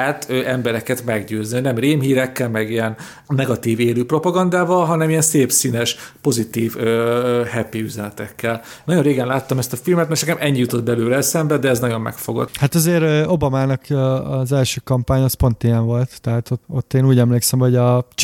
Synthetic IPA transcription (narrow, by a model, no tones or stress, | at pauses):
ɛt̪øɛmbɛɾɛkɛt̪mɛɡɟøːznioɟnɛmreːmɦiːɾɛkːɛlmɛɡijɛn | nɛɡɒt̪iːveːɾyːpro̞pɒɡɒnd̪aːvɒlɦɒnɛmijɛnseːpsiːnɛʃpo̞zit̪iːvøhɛpiyzɛnɛt̪ɛkːɛl | nɒɟoɾreːɡɛnlaːt̪ːɒmɛst̪ɒfilmɛt̪mɛʃnɛkɛmʔɛɲːijut̪o̞d̪̚bɛløːɾɛsɛmbɛd̪ɛːznɒɟo̞mːɛ̰kfo̞ɡo̰t̪hat̪ɒzeːɾo̞bɒmaːnɒkːzɛlʃøːkɒmpaːɲɒːspo̞nt̪ijɛɱvo̞lt̪ːɛɦaːt̪oto̞t̪ːeːnuːɟɛmleːksɛmho̞ɟɒ